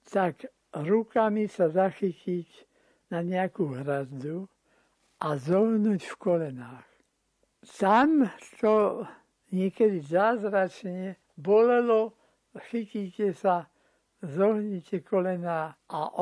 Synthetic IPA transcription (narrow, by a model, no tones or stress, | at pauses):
t̪ak | ɾukamisazaxicic | naɲɛakuːɦɾazd̪u | ʔazɔɦnuːcfkɔlɛnaːx | t̪amt̪ɔ | ɲɪɛkɛd̪izaːzɾat͡ʃɲɛ | bɔlɛlɔ | xiciːcɛsa | zɔɦɲicɛkɔlɛnaːʔaʔ